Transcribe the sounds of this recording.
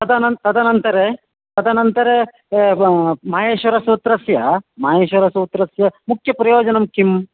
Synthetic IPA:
t̪ɐd̪ɐnnt̪ɐd̪ʱɐnɐnt̪ɐɾe | t̪ɐd̪ʰʱɐnɐnt̪ɐɾe | maːɦeːʃʋɐɾɐsut̪ɾɐsjɐmaːɦeːʃʋɐɾɐsuːt̪ɾɐsjɐmukʰjɐpɾɐjoːd͡ʒɐnɐmkʰim

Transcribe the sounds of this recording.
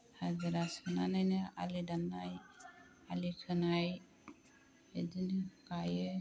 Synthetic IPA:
had͡ʒiɾasʰənanajnea̰lidanːaj | alikʰənaj | ed̪inkaje

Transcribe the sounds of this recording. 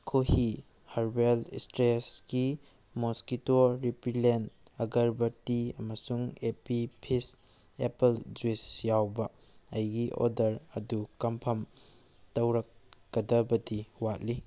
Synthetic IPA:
kʰohi | hɐɾbelḭstɾesɡi | moskitoɾipilen | ɐɡɐɾbɐtiɐmɐsuŋepipʰis | epeld͡ʒuisjawbɐ | ɐjɡiʔo̰dɐɾɐdukɐmpʰɐm | tɐwɾɐk̚ɡɐdɐbɐdiwat̚li

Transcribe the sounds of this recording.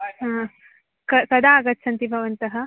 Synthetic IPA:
ɦãː | kɐkɐd̪aaːɡɐt̪ːsɐnt̪ibʱɐʋɐnt̪ɐɦɐ

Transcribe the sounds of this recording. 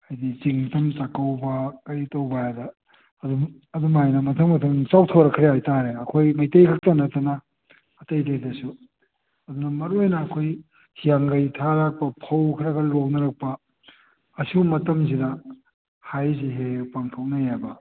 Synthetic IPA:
ajdit͡ʃiŋtɐmt͡ʃakɐwbɐkɐjtɐwbajadɐ | ɐdu | ɐdumajnɐmɐtʰɐŋmɐtʰɐmt͡ʃawtʰawɾɐkʰɾeajtaɾeɐkʰojmɐjtejkʰak̚tɐnɐtɐnɐː | tɐjdejdɐsu | ɐdunɐmɐɾojnɐːkʰoj | hijaŋɡɐjtʰaɾak̚pɐpʰɐwkʰɾɐɡɐlok̚nɐɾɐk̚pɐː | sumɐtɐms̬idɐ | hajziɦepaŋtʰoknɐjabɐ

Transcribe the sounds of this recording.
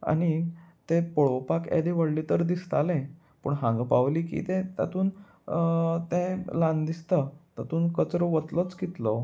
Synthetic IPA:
a̰ɽ̃it̪epoɭopakḛd̪eʋəɽlit̪əɾd̪ist̪alẽ | pə̰ɳɦãŋɡpaʋliːkḭt̪ẽt̪a̰t̪uːn | t̪ẽlãnd̪ist̪ət̪at̪uːnkət͡sɾoʋət̪lət͡skit̪lɔ

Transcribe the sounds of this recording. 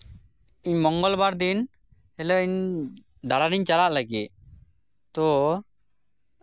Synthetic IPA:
iɲmɔŋɡɔlbaɾd̪in | hɛlɔiɲ | d̪aɽad̪iɲt͡ʃalaʔlaɡit̪̚ | t̪ɔ

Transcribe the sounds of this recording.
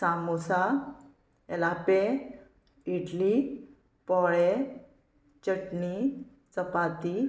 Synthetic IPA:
samosa | ɛlape | iɖli | pɔɭe | t͡ɕəʈni | t͡səpat̪i

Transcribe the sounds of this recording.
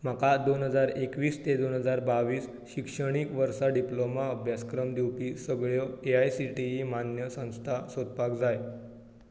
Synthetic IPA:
m̤akad̪onɦəd͡zaɾekʋiːst̪ed̪onɦəd͡zaɾbaʋiːs | ɕikʂəɽ̃iːkʋəɾsaɖiplomaəbʱjaskɾəmd̪iwpiːsəɡɭjɔeajsiʈiimanjəsə̃w̃st̪ʰasod̪̚pakd͡zaj

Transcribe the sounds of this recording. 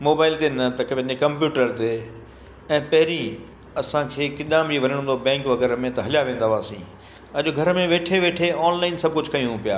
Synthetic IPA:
moːbaːɪlt̪enɐt̪ɐkẽd͡ʑekɐ̃mpjuːʈəɾt̪e | ɛ̃ːpɐɦɪɾi | ɐsãkʰeːkɪɗ̪aːmd͡ʑiʋɐɾəɽ̃ːnd̪obɛ̃ːŋkʋɐɡɛːɾmẽt̪ɐɦɐljaʋẽːnd̪aʋaːsḭ̃ː | ɐʄʊɡʱɐɾmẽʋeːʈʰeʋeːʈʰeɔːnlaːɪnsɐb̚kʊd͡ʑʱkɐj̃ũɦũpija̰ː

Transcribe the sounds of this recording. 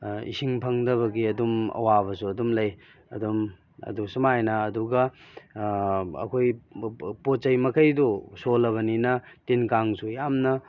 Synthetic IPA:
ḭsiŋpʰɐŋdɐβɐɡiɐdumɐ̰waβɐsuɐdumlɐj | ɐ̰dum | ɐ̰dusumajnaːduɡɐ | ɐ̰kʰojpott͡ʃɐjmɐkʰɐjdusolɐβɐninɐtinkaŋsujamnɐ

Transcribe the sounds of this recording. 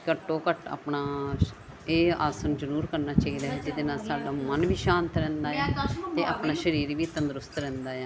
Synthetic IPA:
kəʈːõːkəʈa̰ːpɳaː | eːa̰ːsənd͡ʒəɾuːɾkəɾnaːt͡ʃaːiːd̪aːɛːd͡ʒɪd̪eːnaːsaːɖaːmənʋiːʃãːnt̪ɾɛ̃ːnd̪aːɛːt̪eːʔapnaːʃəɾiːɾʋiːt̪ənd̪ɾʊst̪ɾɛ̃ːnd̪aːɛː

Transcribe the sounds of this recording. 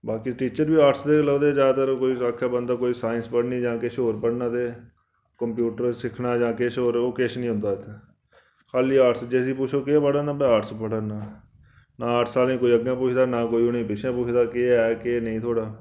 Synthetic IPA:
baːkiʈiːt͡ʃəɾbiːaːʈsd̪eːləːd̪eːd͡ʒaːd̪t̪əɾkoːiːakʰːaːbənd̪aːkoːiːsaːɪnspəɽniːd͡ʒãːkeʃoːɾpəɽnãːt̪eː | kəmpjuːʈəɾsɪkʰnaːd͡ʒãːkeʃoːɾoːkeːʃnĩɦʊ̃nd̪aːɪt̪ʰː | kʰaːliːaːʈsd͡ʒeːsiːpʊt͡ʃʰoːkɪpəɽnaːpɽaaːʈspəɽəːnaː | naːəʈʰsaːlĩːkoːiːəɡjãːpuːt͡ʃʰd̪aːnãːkoːiːʊnĩːpɪt͡ʃʰãːpuːt͡ʃʰd̪aːkeɛːkenəĩːt̪ʰoːɽaː

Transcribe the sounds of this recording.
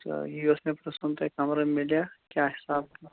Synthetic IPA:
juesmẽpɾəsunt̪ekamɾəmilijakʲjaɦisab

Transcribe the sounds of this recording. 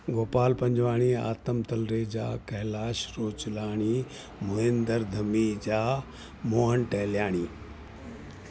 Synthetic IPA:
ɡoːpaːlpɐ̃ɲd͡ʑʋaːɽ̃ia̰ːt̪əmt̪ɐlɾeːd͡ʑa̰ːkɐɦɪlaːʃɾoːt͡ɕlaːɽ̃i | mʊɦẽːnd̪əɾd̪ʱɐmid͡ʑaː | moːɦənʈɐɦljaːɽ̃iː

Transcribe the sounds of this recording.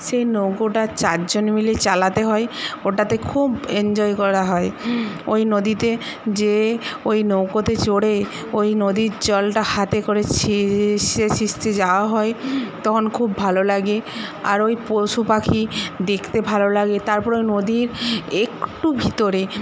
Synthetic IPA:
ʃejnokoʈat͡ɕaɾd͡ʑonmilet͡ɕalat̪eɦɔeoʈat̪ekʰubend͡ʑɔekɔɾaɦɔeojnod̪it̪ed͡ʑeojnokot̪et͡ɕoɽe | ojnod̪iɾd͡ʑɔlʈahat̪ekoɾet͡ɕʰiʃesist̪ʰed͡ʑaoaɦɔet̪ɔkʰonkʰubːʱalolaɡea̰ɾojpoʃupakʰid̪ekʰt̪ebʱalolaɡet̪aɾpɔɾojnod̪iɾekʈubʱit̪oɾe

